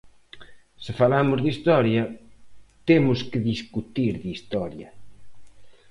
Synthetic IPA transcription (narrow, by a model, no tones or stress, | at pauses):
sɪfalamʊzðist̪ɔɾjɐ | t̪emʊskɪðiskut̪iɾðist̪ɔɾjɐ